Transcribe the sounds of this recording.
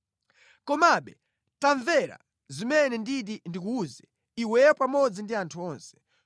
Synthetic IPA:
kɔmaɓɛ | taɱvɛɾa̰ | zimɛnɛnditindik̬uuːzɛ | iwɛpamɔd͡zindiantʰuɔːnsɛ̥

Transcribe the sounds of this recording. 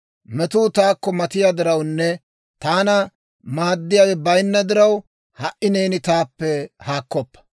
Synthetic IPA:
mɛt̪uːt̪aːkːɔmɐt̪ɪjad̪ɪɾɐwnːɛ | t̪aːnɐ | maːd̪ːɪjaːwɛbɐjnːɐd̪ɪɾɐw | hɐʔɪne̞ːnɪt̪aːpːɛhaːkːɔpːɐ̥

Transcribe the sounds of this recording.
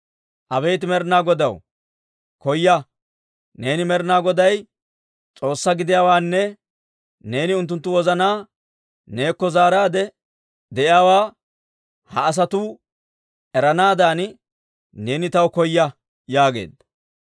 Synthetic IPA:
ʔɐbɛjt̪ɪmɛɾnaːɡɔd̪ɐw | kɔjːɐ | ne̞ːnɪmɛɾɪnaːɡɔd̪ɐj | t͡sʼo̞ːsːɐɡɪd̪ɪjaːwaːnːɛ | ne̞ːnɪʊnt̪ːʊnt̪ːʊwɔzɐnaː | ne̞ːkːɔzaːɾaːd̪ɛ | d̪ɛʔjaːwaː | hɐːs̬ɐt̪u | ɛɾɐnaːd̪aːn | ne̞ːnɪt̪ɐwkɔjːɐ | jaːɡe̞̰ːd̪ɐ

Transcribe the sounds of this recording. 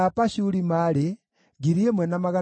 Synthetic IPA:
apaʃulimale | ɡiɾiemwɛnamaɣa

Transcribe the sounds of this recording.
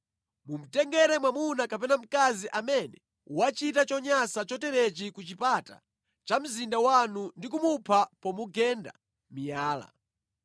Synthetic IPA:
mum̩tɛŋɡɛɾɛmwamunakapɛnam̩kaziʔamɛnɛ | uwat͡ʃitat͡ʃɔɲasat͡ʃɔtɛɾɛt͡ʃikut͡ʃipata̰ | t͡ʃam̩zindawanundikumupʰapɔmuɡɛnda̰ | mijaːla̰

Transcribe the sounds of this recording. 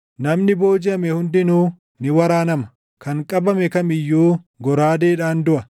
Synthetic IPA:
nɐmnɪbo̞ːd͡ʒɪɐmɛhʊnd̪ɪnuː | nɪwɐɾaːnɐmɐ̥ | kɐŋkʼɐbɐmɛkɐmɪjːuː | ɡɔɾaːd̪eːᶑaːnd̪ʊʔɐ

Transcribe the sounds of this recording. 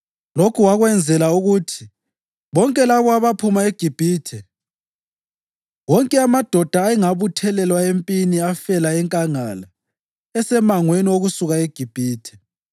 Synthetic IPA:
lokʰuwaɣwɛnd͡zʱɛlauɣutʰi̥ | βɔŋkʼɛlaβɔaβapʰumaeɡ̥ʱib̥ʱiːtʰɛ | wɔŋkʼɛamad̥ʱɔd̥ʱaːɛŋaβutʰɛlɛlwaempʼiniafɛlaɛŋkʼaŋala | ɛsɛmaŋwenioɣusuɣaeɡ̥ʱib̥ʱiːtʰɛ̥

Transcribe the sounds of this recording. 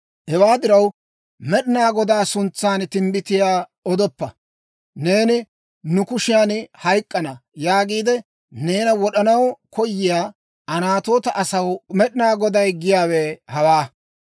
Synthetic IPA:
hɛwaːd̪ɪɾɐw | mɛɗɪnaːɡɔd̪aːsʊnt͡sːaːnt̪ɪmbɪt̪ɪjaːɔd̪ɔpːɐ | ne̞ːnɪ | nʊkʊʃɪjaːnhɐjkʼːɐnɐjaːɡiːd̪ɛ | ne̞ːnɐwɔɗɐnɐwkʰɔjːɪjaː | ʔɐnaːt̪o̞ːt̪ɐʔɐsɐwmɛɗɪnaːɡɔd̪ɐjɡɪjaːwɛːhɐwaː

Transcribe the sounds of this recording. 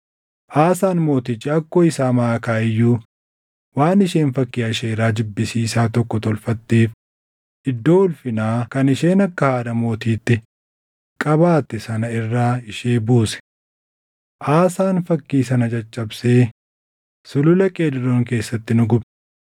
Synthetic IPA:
ʔaːsaːnmo̞ːt̪ɪt͡ʃːɪɐkːoːɪsaːmɐːkaːɪjːuː | waːnɪʃeːnfɐkːiːɐʃeːɾaːd͡ʒʊbːɪsiːsaːt̪ɔkːɔt̪ɔlfɐt̪ːiːf | ɪd̪ːo̞ːʊlfɪnaːkɐnɪʃeːnɐkːɐhaːd̪ɐmo̞ːt̪iːt̪ːɪ | kʼɐβaːt̪ːɪsɐnɐɪrːaːɪʃeːbuːsɛ̥ | ʔaːsaːnfɐkːiːsɐnɐt͡ʃʼɐt͡ʃʼːɐbseː | sʊlʊlɛkʼeːd̪ɪɾoːŋke̞ːsːɐt̪ːɪnʊɡʊb

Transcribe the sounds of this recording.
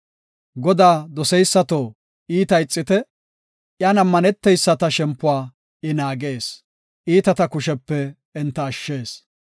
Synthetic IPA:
ɡɔd̪aːd̪ɔsɛjsːɐt̪oː | iːt̪ɐjɪt͡sʼːɪt̪ɛ | ʔjanɐmːɐnɛt̪ːɛjsːɐt̪ɐʃɛmpːʊwaː | ɪnaːɡe̞ːs | ʔiːt̪ɐt̪ɐkʊʃɛpːɛ | ɛnt̪ːɐːʃːe̞ːs

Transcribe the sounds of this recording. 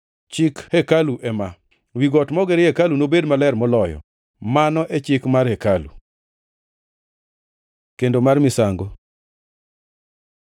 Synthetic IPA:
t͡ʃɪkhɛkaluʔɛma | wiɡɔtmɔɡeɾekalunobedmalɛrmɔlɔjɔ̰ | manɔʔet͡ʃɪkmarhekalṵ | kendomarmɪsaŋɡo

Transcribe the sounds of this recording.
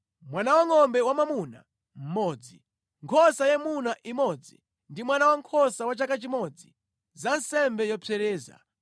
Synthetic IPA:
mwanawaŋɔmbɛwamamuna̰ | m̩mɔːd͡zi | ŋkʰɔsajɛmunaʔimɔd͡zḭ | ndimwanawaŋkʰɔsawat͡ʃakat͡ʃimɔd͡zi | zansɛmbɛjɔpʰɛɾɛːza̰

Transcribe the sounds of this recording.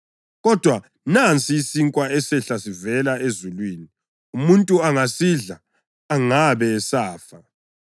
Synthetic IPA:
ɣɔd̥ʱwa | nant͡sʼiːsiŋkʼwaɛsɛɬasivɛlaezulwiːni | umuntʼuaŋasiɮa | aŋaβɛːsaːfa

